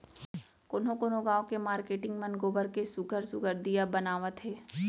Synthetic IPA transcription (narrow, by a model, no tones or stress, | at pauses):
kʊnɦõkonõɡaːõkemaːɾkeːʈɪ̃ŋɡmənɡoːbəɾkesʊɡʱəɾsʊɡʱəɾd̪ijabənaːʋət̪ɦeː